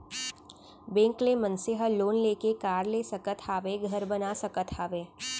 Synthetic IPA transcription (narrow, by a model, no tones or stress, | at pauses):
bẽːŋklemə̃nsɪɦəloːnleːkekaːɾleːsɐkət̪ʰaːʋeɡʱɐɾbənasɐkət̪ʰaːʋeː